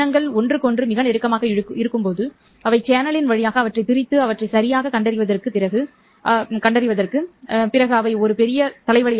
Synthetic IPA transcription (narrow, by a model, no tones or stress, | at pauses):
ɐŋɡɐɭɔndrɯkɔndrɯmɪɣɐnɛɾɯkːɐmaːɣɐɪɾɯkːɯmpoːðɯ | ɐʋɐɪt͡ʃaːnɐlɪnʋɐɻɪjaːɣɐːʋɐʈrɐɪt̪ɪɾɪt̪ːɯɐʋɐʈrɐɪsɐɾɪjaːɣɐkɐɳɖɐɾɪʋɐðɐrkɯpɪrɐɣɯ | ʔɐkɐɳɖɐɾɪʋɐðɐrkɯpɪɾɐɣɯɐʋɐɪɔɾɯpɛɾɪjɐt̪ɐlɐɪʋɐɭɪ